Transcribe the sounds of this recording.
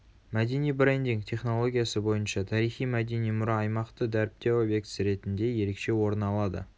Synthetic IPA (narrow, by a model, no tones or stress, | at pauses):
mæd̪e̞nijbɾend̪iŋɡt̪ʰe̞χno̞lˠo̞ɡʲijasəbo̞jənʃɑt̪ʰɑɾijχijmæd̪enijmʊɾɑɑjmɑqt̪əd̪æɾɪp̚t̪e̞obje̞k̚t̪sɾe̞t̪ɪnd̪e̞je̞ɾe̞kʃe̞wo̞ɾənɑlˠɑd̪ə̰